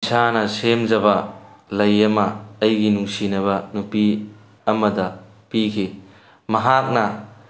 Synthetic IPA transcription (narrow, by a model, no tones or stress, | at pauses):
sʰanɐsemd͡ʒɐbɐlɐjɐmɐːjɡinuŋsinɐβɐnupi | ɐmɐdɐ | pikʰi | mɐɦak̚nɐ